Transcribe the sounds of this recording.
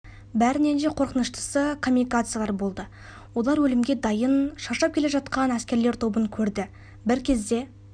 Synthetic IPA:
bæɾɪne̞nʃe̞qʰo̞ɾqənəʃt̪ə̥səkʰo̞mːunikat̪sɨjalˠɑɾbo̞lˠd̪ə | wo̞lˠɑɾwɵlɪmɡʲe̞d̪ɑjənʃɑʃɑp̚kʲe̞le̞ʒɑt̪qɑnæskʲe̞ɾle̞ɾt̪ʰo̞bəŋkʲʰɵɾd̪ɪ | bɪɾkʲʰe̞zd̪e̞

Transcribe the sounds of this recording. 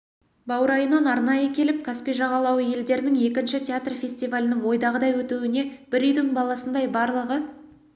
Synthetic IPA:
bɑwəɾɑjənɑnɑɾnɑjəkʲʰe̞lɪp̚kʰaspijʒɑʁɑlˠɑwəje̞ld̪e̞ɾɪnɪŋe̞k̬ʲɪnʃɪt̪ʲʰeat̪rfʲe̞sʲt̪ivalʲɪnɪŋwo̞jd̪ɑʁəd̪ɑjwɵt̪uwɪne̞b̥ɪɾʏjd̪ɪŋbɑlˠɑsənd̪ɑjbɑɾlˠəʁə

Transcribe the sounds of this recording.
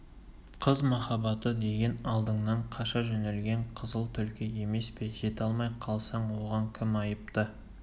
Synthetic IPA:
qʰəzmɑχɑbɑt̪əd̪e̞ɡʲenɑlˠd̪əɴnɑɴqʰɑʃɑʒɵnelɡʲe̞ɴqʰəzəlˠt̪ʰʏlkʲɪje̞me̞speʒe̞t̪ɑlˠmɑjqʰɑlˠsɑɴwo̞ʁɑŋkʲʰɪmɑjəp̚t̪ə

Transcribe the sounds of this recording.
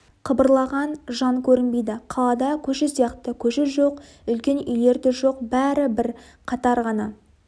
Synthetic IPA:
qʰəbəɾlˠɑʁɑnʒɑŋkʲʰɵɾɪnbejd̪ɪqʰɑlˠɑd̪ɑkʲʰɵʃɪsijɑqt̪əkʲʰɵʃɪʒo̞q | ʏlkʲe̞nʏjle̞ɾt̪ɪʒo̞q̚bæɾɪbɪɾ | qʰɑt̪ɑɾʁɑnɑ

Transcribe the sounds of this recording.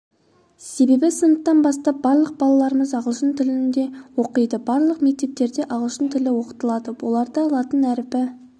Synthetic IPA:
se̞be̞bɪsənət̪ːɑnbɑst̪ɑp̚bɑɾlˠəq̚bɑlˠɑlˠɑɾəməzɑʁəlˠʃənt̪ʰɪlɪnd̪e̞wo̞qəjd̪əbɑɾlˠəqme̞k̚t̪e̞p̚t̪e̞ɾd̪e̞ʔɑʁəlˠʃənt̪ʰɪlɪwo̞qə̥t̪əlˠɑd̪əwo̞lˠɑɾd̪əɑlˠɑt̪ənæɾɪpɪ

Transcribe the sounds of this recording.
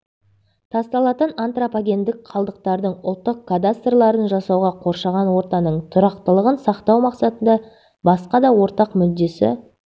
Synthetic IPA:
t̪ʰɑst̪ɑlˠɑt̪ənant̪ropaɡʲe̞nd̪ɪk̚qʰɑlˠd̪əq̚t̪ɑɾd̪əɴʊlˠt̪ːəqkʰːad̪ast̪rlˠɑɾənʒɑsɑwʁɑqʰo̞ɾʃɑʁɑnwo̞ɾt̪ɑnəɴt̪ʰʊɾɑqt̪əlˠəʁənsɑqt̪ɑwmɑqsɑt̪ənd̪ɑ | bɑsqɑd̪ɑwo̞ɾt̪ɑqmʏd̪ːe̞sɪ̰

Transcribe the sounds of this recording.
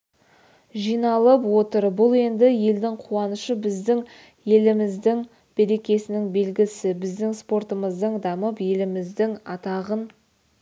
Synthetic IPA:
ʒijnɑlˠəpwo̞t̪əɾbʊlˠe̞nd̪ɪje̞ld̪ɪŋqʰuɑnəʃəbɪzd̪ɪŋ | je̞lɪmɪzd̪ɪŋ | b̥e̞ɾe̞kʲe̞sɪnɪŋbe̞lɡʲɪsɪbɪzd̪ɪŋspo̞rt̪əməzd̪əɴd̪ɑməpje̞lɪmɪzd̪ɪŋɑt̪ɑʁən

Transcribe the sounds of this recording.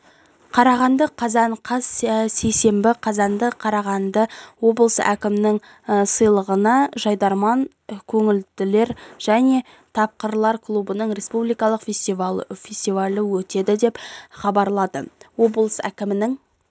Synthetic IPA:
qʰɑɾɑʁɑnd̪əqʰɑzɑɴqʰɑz̥se̞jse̞mbɪqʰɑzɑnd̪əqʰɑɾɑʁɑnd̪əwo̞bəlˠəsæ̰kʲɪmɪnɪŋ | səjlˠəʁənɑʒɑjd̪ɑɾmɑŋ | kʲʰɵŋɪld̪ɪle̞ɾʒ̥æne̞ | t̪ʰɑp̚qəɾlˠɑɾkʰlˠubənəɴɾʲe̞spublijkɑlˠəqfʲesʲt̪ivfʲe̞sʲt̪ivɑalʲəwɵt̪e̞d̪ɪd̪e̞pχɑbɑɾlˠɑd̪ə̰wo̞bəlˠəsæ̰kʲɪmɪnɪŋ

